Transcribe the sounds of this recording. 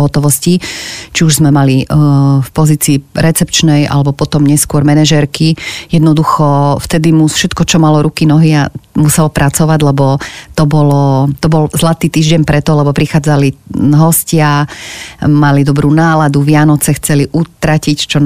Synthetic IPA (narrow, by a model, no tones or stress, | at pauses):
ɦɔt̪ɔʋɔscit͡ʃiuʒzmɛmalifpɔziːt͡siːɾɛt͡sɛpt͡ʃnɛja̰lɛbɔpɔt̪ɔmɲɛskʊɔɾmɛnɛʒɛɾkijɛd̪nɔd̪uxɔft̪ɛd̪imufʃɛt̪kɔt͡ʃɔmalɔɾukinɔɦiamusɛlɔpɾʔat͡sɔʋaɟlɛbɔt̪ɔbɔlɔt̪ɔbɔlzlat̪iːt̪iːʒɟɛɲpɾɛt̪ɔlɛbɔpɾixaːd͡zaliɦɔscɪa | malid̪ɔbɾuːnaːlad̪uʋɪanɔt͡sɛxt͡sɛliʔut̪ɾacict͡ʃɔ